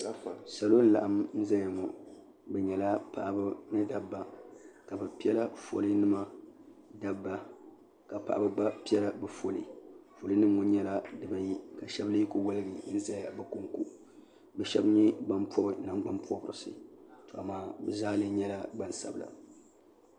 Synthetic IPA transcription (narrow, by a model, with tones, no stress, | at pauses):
sa˨lo˦n̩˦la̰˨ʔa˨mn̩˦za˦lja˨ŋɔ˨ | bɛ˨ɲɛ˨la˦pa˨ʔbɨ˦mɨ˦da˨bːa˨ka˨bɨ˨pi˦ɛ˦la˦fo̰˨li˦nɨ˦ma˨da˦bːa˦ | ka˨pa̰˨ʔa̰˨bɨ˦ɡ͡ba˦pi˦ɛ˦la˦bɛ˨fo˨lḭ˨fo˨lɨ˦nɨ˦mŋɔ˨˦ɲɛ˦la˦dɨ˨ba˦ji˦ka˨ʃɛ˦blɨː˦ko˦wo˦lɨ˦ɡi˨n̩˦za˨lja˨bɛ˨ko˦ŋkṵ˦ | bɛ˨ʃɛ˦bɲɛ˦ɡ͡ba˦mpɔ˦bɨ˨na˨ŋɡ͡ba˦mpɔ˦bɨ˨ɾɨ˨sɨ̰˨to˨a˨maː˨bɛ˨zaː˦lɨ˦ɲɛ˦la˦ɡ͡ba˦n˨sa̰˨bɨ˨la̰˨